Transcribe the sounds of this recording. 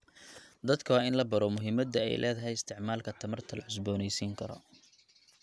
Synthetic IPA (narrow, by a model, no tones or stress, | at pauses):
d̪ɐd̪kʰɐwɑːɪnlɐbɐɾɔmʊɦɪmɐd̪ɐɛ̰jlʔɛ̰ːðɐɦɛjɪst̪ʰɪʕmaːlkʰɐt̪ʰɐmɐrt̪ʰɐlɐʕʊs̬bɔːnɛjsiːŋkʰɐɾɔ̰